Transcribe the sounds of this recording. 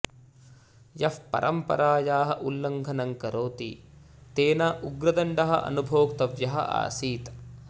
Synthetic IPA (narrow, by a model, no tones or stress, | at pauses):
jɐfpɐ̰ɾʔɐ̰mpɐ̰ɾaːjaːɦɐʔulːɐŋɡʱɐnɐŋkɐɾoːt̪ḭ | t̪eːnaːʔuɡɾɐd̪ɐɳɖɐɦɐ̰ʔɐ̰nubʱoːkt̪ɐʋjɐɦɐ̰ʔa̰ːsiːt̪